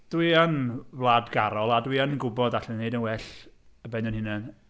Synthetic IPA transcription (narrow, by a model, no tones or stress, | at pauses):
d̥wiənvlˠaːdɡaɾɔlˠadwiənɡʊbɔdaɬɛnːejdənwɛɬəbɛnjɔnhɪnɛn